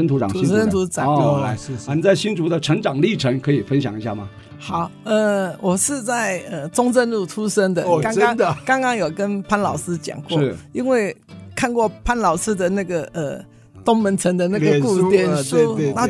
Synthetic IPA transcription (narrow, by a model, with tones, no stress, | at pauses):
ə˥nt̪ʰu˧˥ʈ͡ʂɑ̰˨ŋ˨i˥˩ə˥nt̪ʰu˧˥ʈ͡ʂa˨˩˥t͡sa˥˩ɪɕi˥nt̪ʰu˧˥d̪ə˧ʈ͡ʂʰə˧˥ŋʈ͡ʂɑ˨˩ŋli˥˩ʈ͡ʂʰə˧˥ŋkʰɤ˧˥i˨˩fə˥nɕjɑ̰˨˩ŋi˧˥ɕja˥˩mɐ̰˩ | xɑ˨˩˦ʊə˧wɔ˨˩ʂɻ̩˥˧t͡sa˥˩ɪə˧ʈ͡ʂʊ˥ŋt͡sə˥˧nlu˥˩t̪ʰu˥ʂə˥ŋd̪ə˨˧kɑ˥ŋkɑn˥ŋd̪əkɑ˥ŋkɑ˥ŋjo˨˩kə˥npʰa˥nlɑ˨˩ʊsɹ̩˥t͡ɕjɑ̰˨˩ŋkwɔ˥˩i˥nwe˥˩ɪkʰa˥˧nkwɔ˥˩pʰa˥nlɑ˨˩ʊʂɹ̩˥˩d̪ə˨na˥˩ɡə˩ə˧ | t̪ʊ˥ŋmə˧˥nt͡sʰə˧˥ŋd̪ə˧na˥˩ɡə˧ku˥˧t̪jɛ˥˧nʂa˥˧